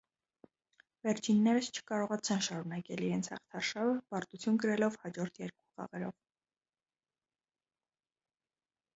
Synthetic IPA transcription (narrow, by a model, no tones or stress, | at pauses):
vɛɾt͡ʃʰinːɛɾəst͡ʃʰə̥kɑɾɔʁɑt͡sʰɛnʃɑɾunɑkɛliɾɛnt͡sʰhɑ̰χt̪ʰɑɾʃɑvəpɑɾt̪ut͡sʰjunɡəɾɛlɔvhɑd͡ʒɔɾt̪ʰjɛɾku̥χɑ̰ʁɛɾɔ̰v